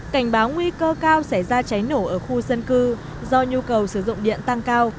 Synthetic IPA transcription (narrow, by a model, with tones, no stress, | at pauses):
ka˧˩jŋ̟ɓaː˨˦wŋwi˧kəː˧kaː˧wsa˧˩jzaː˧t͡ɕa˨˦jno˧˩ʔəː˧˩xu˧zə˧nkɨ˧ | zɔ˧ɲu˧kə˨˩wsɨ˧˩zʊ̰˧˨ŋ͡mɗḭ˧˨ənt̪a˧ŋkaː˧w